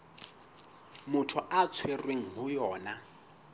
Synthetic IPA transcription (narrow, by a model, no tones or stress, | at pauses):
mʊtʰɔʔat͡sʰwerweŋ̩ɦʊjɔːna